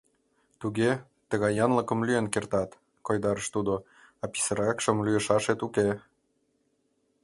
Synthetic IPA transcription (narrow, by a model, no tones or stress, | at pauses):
t̪uɣe | t̪əɣɑjɑnlə̆kə̆mlyenkert̪ɑt̪ | kojd̪ɑɾəʃt̪ud̪o | ɑpi̥səɾɑkʃə̆mlyjəʃɑʃet̪uke